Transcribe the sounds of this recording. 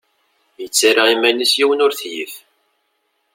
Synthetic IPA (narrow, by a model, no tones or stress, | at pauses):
jət͡sːaɾaimːænisjiwənʊɾθjif